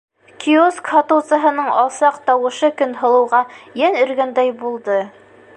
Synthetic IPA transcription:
kʲʰioskhɑt̪ɤ̆wsɤ̆ɦɤ̆nɤɴɑlˠsɑqt̪ɑwɤ̆ʃɤkɵnɦɤ̆lˠɤ̆wʁɑjænɵ̆ɾɡænd̪æjbulˠd̪ɤ

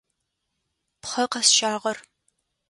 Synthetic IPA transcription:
pχɐqɐsʃaːʁɐr

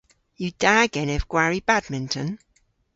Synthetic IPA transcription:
jəd̥aːɡɛnɛvɡ̥waɹibadmɪ̃ntʰə̃n

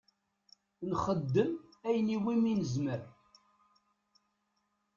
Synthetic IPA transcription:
nχəd̪ːəmæjniwiminəzməɾ

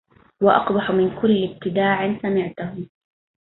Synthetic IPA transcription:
wɑʔɑ̰qbɑħʊmɪnkʊlːɪb̚t̪ɪd̪aːʕɪnsamɪʕt̪ʊhʊm

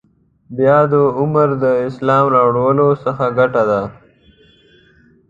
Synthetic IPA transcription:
bjɑd̪əʊməɾd̪əɪslɑːmɾɑwɽawəlosəxaɡaʈad̪a

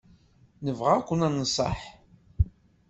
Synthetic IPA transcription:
nəvʁakʷːənænəsˤɑ̰ħ

